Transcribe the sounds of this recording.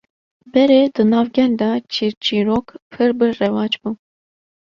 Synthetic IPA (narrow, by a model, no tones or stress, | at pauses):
bɛɾed̪ɨnɑːvɡʲɛld̪ɑt͡ʃiɾt͡ʃiːɾoːkpʰɨɾbɨrɛwɑːt͡ʃbu